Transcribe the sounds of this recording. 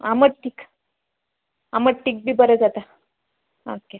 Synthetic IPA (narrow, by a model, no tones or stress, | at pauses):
aməʈ̚ʈiːk | aməʈʈiːk̚bʱiːbəɾed͡zat̪a | okːe